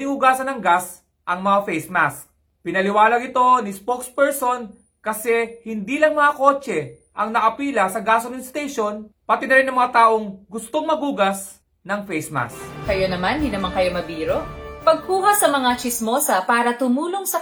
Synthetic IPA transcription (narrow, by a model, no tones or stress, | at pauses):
ɪŋʊɡaːsɐnɐŋɡas | ʔɐŋmɐŋafɛjsmas̚ | pɪnɐlɪwaːlɐɡɪt̪o̞nɪspokspɛɹso̞n | kɐsɛhɪnd̪iːlɐŋmɐŋɐko̞ːt͡ʃɛ | ʔɐŋnɐkɐpiːlɐsɐɡasomɪnst̪ɛjʃo̞npɐt̪ɪnɐɾɪnɐŋmɐŋat̪aːʔo̞ŋɡʊst̪o̞ŋmɐɡuːɡɐs | nɐŋfɛjsma̰skɐjonɐmandinɐmaŋkɐjomɐbiːɾopɐɡ̚kuːhɐsɐmɐŋat͡ʃɪsmoːsɐpaːɾɐt̪ʊmuːloŋsɐ